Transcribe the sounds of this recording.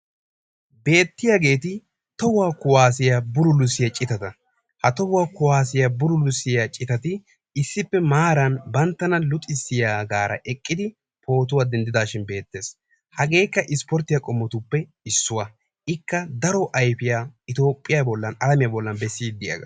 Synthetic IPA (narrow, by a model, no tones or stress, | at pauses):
be̞ːt̪ːɪjaɡe̞ːt̪ɪ | t̪ɔwaːkʊwaːs̬ɪjabʊɾʊlʊsːɪjɐt͡ʃʼɪt̪ɐt̪ɐ | hɐt̪ɔwwaːkʊwaːs̬ɪjɐbʊɾʊlʊsːɪjɐt͡ʃʼɪt̪ɐt̪ɪ | ɪsːɪpːɛmaːɾɐnbɐnt̪ːɐnɐlʊt̪ʼɪsːɪjaːɡaːɾɐ̰ʔɛkʼːɪd̪ɪ | pʰo̞ːt̪ʊwad̪ɛnd̪ɪd̪aːʃɪnbe̞ːt̪ːe̞ːs | hɐɡe̞ːkːɐʔɪspɔɾt̪ːɪjakʼɔmːɔt̪ʊpːɛ | ɪsːʊwɐ | ʔɪkːɐd̪ɐɾɔʔɐjfɪjaːɪt̪o̞ːpʼːɪjabɔlːɐnɐlɐmɪjabɔlːɐnbɛsːiːd̪ɪja̰ɡɐ̰